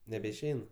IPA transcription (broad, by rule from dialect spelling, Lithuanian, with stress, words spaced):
nʲɛbʲɛɪʃʲˈɛɪn